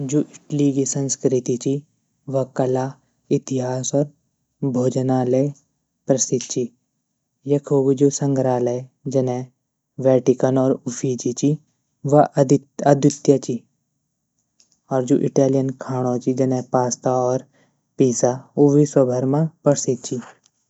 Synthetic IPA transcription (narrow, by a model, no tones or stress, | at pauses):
d͡ʒoːʔɪʈlikisɐ̃nskɾɪt̪it͡ʃi | ʋɐkɐla | ɪt̪ɪɦaːsɔːɾ | bʱoːd͡ʒnale | pɾɐsɪt̪̚t͡ʃi | jɐkʰoːɡd͡ʒoːsɐ̃ŋɡɾaːled͡ʒɐnẽ | ʋɛːʈikənɔːɾʊfʰiːt͡ʃit͡ʃi | ʋaɐd̪jʊt̪jat͡ʃi | ɔːɾd͡ʒoːʔɪʈaːlijənkʰaːɽ̃õt͡ʃid͡ʒɐnẽpaːst̪aɔːɾ | piːsaʊʋiswɐbʱəɾmãpəɽsit̪̚t͡ʃʰi